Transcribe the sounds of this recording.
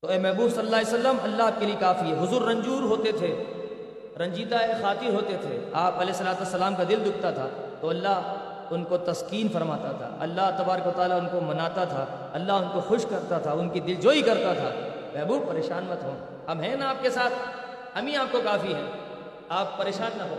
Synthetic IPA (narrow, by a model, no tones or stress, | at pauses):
t̪oɛːmɛːbuːbsɐlːəlːaːljosɐlːəmɐlːaɦaːp̚keliekaːfiɦɛɦʊzuːɾːɐ̃ɲd͡ʒuːɾɦoːt̪et̪ʰe | ɾɐ̃ɲd͡ʒiːd̪aexaːt̪ɪɾɦoːt̪et̪ʰeaːpɐleːsːɐlaːt̪uɐsːɐlaːmkad̪ɪld̪ʊk̚ʰt̪at̪ʰaː | t̪oɐlːaɦ | ʊnkot̪ɐskiːnfɐɾmaːt̪at̪ʰa̰ʔɐ̰lːaɦt̪ɐbaːɾəkʋɐt̪aːlaʊnkomɐnaːt̪at̪ʰa | ɐlːaɦʊnkoxʊʃkɐɾt̪at̪ʰaʊnkid̪ɪld͡ʒoːikɐɾt̪at̪ʰa̰ː | mɛ̃ːbuːpɐɾeːʃaːnmɐt̪ɦõː | ɐbɦɛ̃naaːp̚kesaːt̪ʰ | ɦɐmĩaːp̚kokaːfiɦɛ̃ː | aːp̚ːɐɾeːʃaːnːɐɦoː